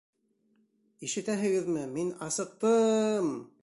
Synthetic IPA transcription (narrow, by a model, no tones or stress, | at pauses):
iʃɘ̆t̪æɦɘ̆ɡɘðmɘminɑsɤ̆q̚t̪ɤm